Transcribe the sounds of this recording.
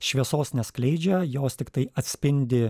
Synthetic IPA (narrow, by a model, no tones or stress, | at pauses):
ʃʲʋʲiɛsoːsnʲɛsklʲɛɪd͡ʒʲɛjoːst̪ʲɪkt̪ɐɪɐt̪ʲsʲpʲɪnʲd̪ʲɪ